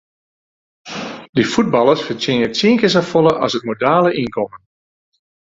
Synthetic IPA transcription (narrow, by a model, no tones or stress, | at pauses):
difud̚bɑlˠəsfətɪnətsiəŋkəs̬əfolˠəʔɑ̰sət̚modaːləʔinkʰɔmən